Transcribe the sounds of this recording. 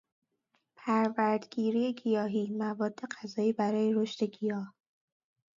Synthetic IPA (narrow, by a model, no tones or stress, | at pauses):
pʰæɾvæɾd̪ɡiːɾiːjeɡijɒːɦiːmævɒːd̪ːe̞ɡæzɒːiːbæɾɒːje̞ɾoʃt̪e̞ɡijɒːh